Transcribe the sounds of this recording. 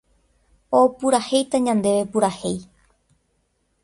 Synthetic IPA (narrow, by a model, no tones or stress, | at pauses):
opuɾahe̞jt̪aɲãnd̪e̞ʋepuɾahe̞j